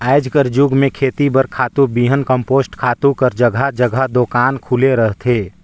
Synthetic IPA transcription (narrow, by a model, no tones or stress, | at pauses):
aːɪd͡ʒkəɾd͡ʒuːɡmẽkʰeːt̪ibəɾkʰaːt̪ubiːɦənkə̃mpoːsʈkʰaːt̪ukəɾd͡ʒəɡʱad͡ʒəɡʱad̪oːkaːnkʰuleɾəɦt̪ʰeː